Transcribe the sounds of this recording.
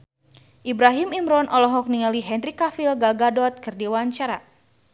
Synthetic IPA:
ʔibɾaɦimimɾɔnʔɔlɔɦɔk̚niŋaliɦɛnrikafilɡalɡadɔt̪̚kɨrdiwaɲt͡ʃaɾa̰

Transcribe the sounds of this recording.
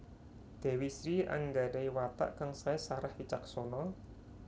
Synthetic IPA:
d̪̥e̤wisɾia̰ŋɡaɖaiwat̪a̰ʔkaŋsaɛsaɾahfit͡ʃak̚sonɔ

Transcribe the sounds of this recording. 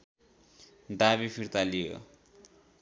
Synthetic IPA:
d̪aβipʰiɾt̪alijo̰

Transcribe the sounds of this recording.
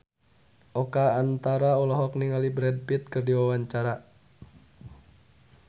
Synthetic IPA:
ʔɔkaːnt̪aɾaɔlɔɦɔk̚niŋalibɾɛd̚pit̪̚kɨrdiwawaɲt͡ʃaɾa

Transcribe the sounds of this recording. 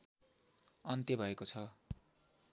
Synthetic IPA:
ʌnt̪jʌbʱʌekot͡sʰʌ

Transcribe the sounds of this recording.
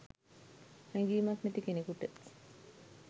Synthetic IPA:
hæŋɡiːmɐknet̪ikenikuʈə

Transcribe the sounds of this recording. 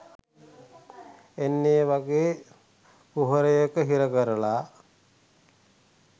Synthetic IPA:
enːeəʋaɡeː | puɦəɾəjəkəɦiɾəkəɾəla

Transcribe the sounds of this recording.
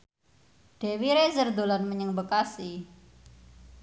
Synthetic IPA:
ɖ̥e̤wiɾezərd̪olanməɲəŋbəkasi

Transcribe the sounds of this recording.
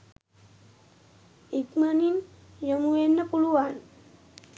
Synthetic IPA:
ikmənin | jəmuenːəpuɭuwan

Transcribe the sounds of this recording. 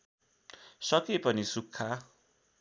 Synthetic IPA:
sʌkepʌnisukʰːa

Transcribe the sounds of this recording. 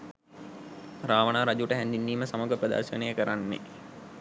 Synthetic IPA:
ɾaːʋənaːɾad͡ʒuʈəɦænd̪inːiːməsaməɡəpɾəd̪a̰ːʃənəjəkəɾanːḛ

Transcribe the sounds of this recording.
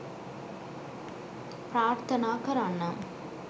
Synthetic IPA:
pɾaːɾt̪ʰɐnaːkɐɾaːnːɐ

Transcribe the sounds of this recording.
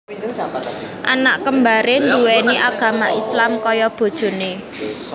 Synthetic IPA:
ʔanaʔkəmbaɾend̪uwɛniʔaɡ̥ä̤maʔislamkɔjɔb̥o̤d̥ʒ̥o̤ne

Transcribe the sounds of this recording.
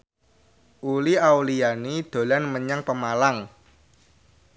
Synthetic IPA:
ʔuliawlijanid̪̥o̤lanməɲəŋpəmalaŋ

